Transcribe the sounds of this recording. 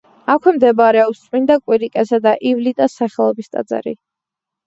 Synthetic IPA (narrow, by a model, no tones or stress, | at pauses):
akʷʰwɛmd̪ɛbaɾɛɔpst̪sʼmind̪akʼwiɾikʼɛsad̪aʔivlit̪ʼasːaχɛlˠɔbist̪ʼa̰d̪za̰ɾḭ